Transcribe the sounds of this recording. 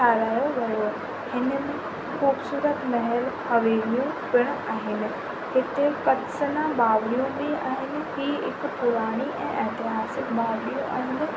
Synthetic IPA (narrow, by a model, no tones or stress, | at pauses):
aːɾaːjoʋɐjo | hɪnəmẽ | xuːbsuːɾət̪mɐɦɛlxɐʋeːlijũpɪɽ̃ʊaːɦɪnɪ̆ | hɪt̪ekɐt̪sənãɓaːʋɾijũbɪa̰ːɦɪnɪ̆ɦiːɦɪ̰kpʊɾaːɽ̃iʔɛ̰̃ːʔɛɦt̪ɪɦaːsɪkbaːɾɗijũʔa̰ːɦɪnɪ̆